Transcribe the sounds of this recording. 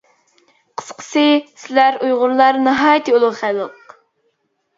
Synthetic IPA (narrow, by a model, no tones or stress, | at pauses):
qʰə̥sqʰə̥sɨsɪlæɾujʁʊɾlˠɑɾnɨɦɑːjt̪ʰɨolˠʊʁχæləq